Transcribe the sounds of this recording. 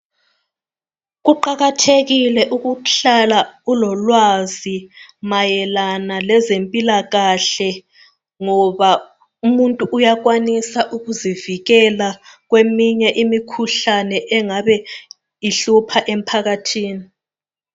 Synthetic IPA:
ɣuǃaɣatʰeɣilɛʔuɣuɬalaulɔlwazimajɛlanalɛzempʼilaɣaɬɛ | ŋɔβa | umuntʼuʔːjaɣwanisaʔuɣuziviɣɛlaɣwemiɲɛʔimikʰuɬanɛʔɛŋaβɛ | iɬupʰaʔem̩pʰaɣatʰiːni

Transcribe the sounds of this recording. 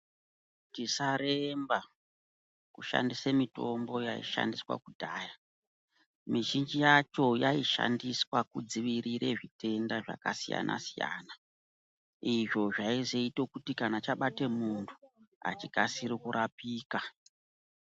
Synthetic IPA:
tisaɾemba | kuʃa̰ndisemito̞mbo̞jaḭʃa̰ndiswa̰kudʱaːja | miʒind͡ʒijat͡ʃo̞jaiʃa̰ndiswakud͡ziʋiɾiɾe̞ʐite̞ndaʐa̰kasija̰nʔa̰sija̰ːna | iʐo̞ʐaizeito̞kutikanat͡ʃaɓate̞muntʰu̥a̰t͡ʃikasiɾikuɾʔapiːka

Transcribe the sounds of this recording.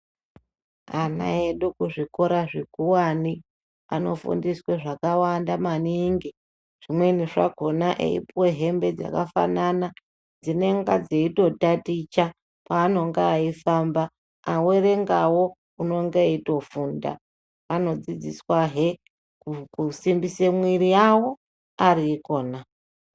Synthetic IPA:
ana̰eɗukuʐiko̞ɾaʐekuwani | a̰no̞̰fṵndisweʐakawandamaniŋɡi | ʐ̥imwe̞niʐa̰ɡʱo̞naʔḛḭpwe̞ɦe̞mbe̞d͡za̰kafa̰nana | d͡zine̞ŋɡad͡ze̞ito̞tatit͡ʃa | paːno̞ŋɡeaifambaː | we̞re̞ŋɡawo̞ | uno̞ŋɡeito̞funda̰ː | no̞d͡zid͡ziswaɦe | ukusimbise̞mwirijawo̞ | ariːko̞ːna

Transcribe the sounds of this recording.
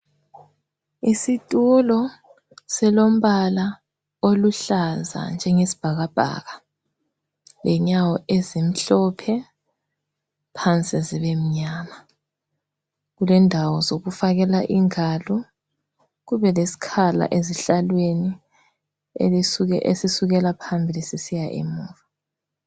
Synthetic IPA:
isitʼulɔ | sɛlom̩βala | oluɬaza̰nd͡ʒʱɛŋesi̥b̥ʱaɣab̥ʱa̰ːɣa | lɛɲawɔezim̩ɬɔpʰɛ | pʰant͡sʼiziβem̩ɲaːma | ɣulɛndʱawɔzoɣufaɣɛlaʔiŋalɔ | ɣuβɛlesi̥kʰala̰ʔeziɬalweni | ḛlisuɛʔḛsisuɣɛlapʰambʱilisisijaʔḭmuːva

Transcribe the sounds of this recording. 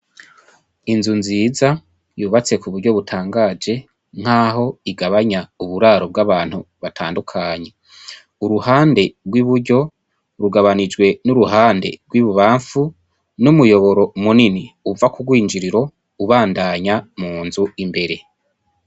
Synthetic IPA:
inzunziza | juːβat͡se̞kuβuɾɟo̞βutʰaːŋɡaːd͡ʒe̞ | ŋ̥haːɦo̞iɡaβaɲauβuɾaːɾo̞b̚ɡaβaːn̥huβatʰaːndukʰaːɲe | uɾuhaːnde̞ɡwiβuɾɟo̞ | ɾuɡaβanid͡ʒɡwe̞nuɾuɦaːnde̞̰ɡwiβuβaːɱfu | numujo̞βo̞ɾo̞muniniuvakubɡwiːnd͡ʒiɾiɾo̞ | uβaːndaɲamuːnzuimbe̞ɾe̞

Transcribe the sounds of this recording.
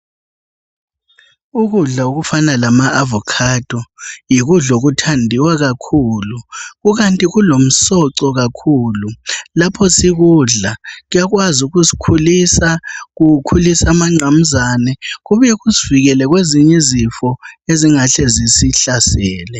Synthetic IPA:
uɣuɮaoɣufanalamaːvɔkʰad̥ʱɔjiɣuɮoɣutʰandʱiwaɣakʰuːluɣuɣantʼiɣulom̩sɔǀɔɣakʰuːlulapʰɔsiɣuɮaɣujaɣwazuɣusi̥kʰulisaɣukʰulisamaŋ͡ǀam̩zanɛɣuβujɛɣuziviɣɛlɛɣweziɲɛizifɔeziŋaɬɛzisiɬasɛːlɛ

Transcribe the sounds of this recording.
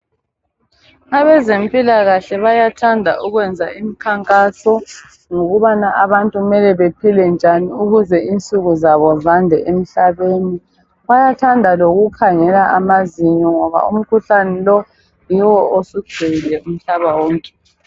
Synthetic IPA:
aβɛzempʼilaɣaɬɛβajatʰandʱa̰ʔuɣwɛnd͡zʱaimikʰaŋkʼasɔ | ŋoɣuβanaʔaβantʼuɣumɛlɛβepʰilɛnd͡ʒʱaniuɣuzɛint͡sʼuɣuzaβɔzandʱɛʔem̩ɬaβeːni | βajatʰandʱaloɣukʰaŋɛlaʔamaziɲɔŋɔβa̰um̩kʰuɬanɛlɔ | jiwɔosuɡ͡ǀ̥ʱeɣilɛum̩ɬaβawɔːŋkʼɛ̥

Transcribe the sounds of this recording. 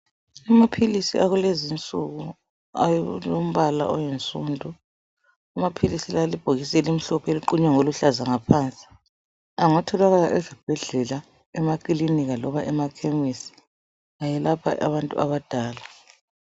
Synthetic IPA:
amapʰilisḭʔaɣulezint͡sʼuɣu | ajlom̩βala̰ʔɔjɛnt͡sʼundʱu | amapʰilisilalib̥ʱoɣisɛlim̩ɬɔpʰeliǃuɲwaŋoluɬazaŋapʰaːnt͡sʼi̥ | aŋatʰɔlaɣalaʔɛzib̥ʱɛɮɛla | ɛmakʼiliniɣalɔβaʔɛmakʰemisi̥ | ajɛlapʰa̰ʔaβantʼṵaβad̥ʱaːla

